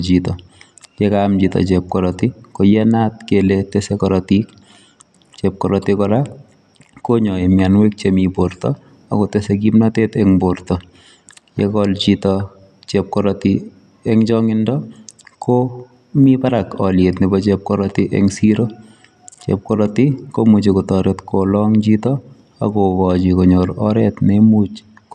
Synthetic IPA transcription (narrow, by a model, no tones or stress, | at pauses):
t͡ʃitɔ | jɛkaːmd͡ʒitɔ̰t͡ʃɛp̚kɔɾɔtɪkojɛnatkeletɛsɛkɔɾɔtik | t͡ʃɛp̚kɔɾɔtikɔɾa | koɲɔemjanwek̚t͡ʃemibortɔ̰ | a̰kɔtɛsɛk̬imnatetɛŋboɾtɔ | jɛkɔlt͡ʃitɔ | t͡ʃɛp̚kɔɾɔti | ɛŋd͡ʒɔŋɪndɔkʰo | mipaɾakɔljetnɪbɔt͡ʃep̚kɔɾɔtiʔɛ̰ŋsiɾo | t͡ʃḛp̚kɔɾɔtikomut͡ʃekotɔɾetkolɔŋt͡ʃitɔ | a̰kokɔt͡ʃikoɲoɾɔɾɛtnemut͡ʃ